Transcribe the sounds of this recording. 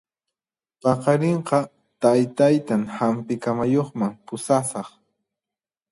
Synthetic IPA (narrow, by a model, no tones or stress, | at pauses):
pɑqɑɾeɴqɑ | t̪ajt̪ajt̪aŋhampɪkamajoχmaŋpʊsasɑχ